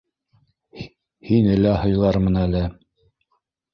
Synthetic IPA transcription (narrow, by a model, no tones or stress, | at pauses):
hinɘ̆læhɤ̆jlˠɑɾmɤ̆nælɘ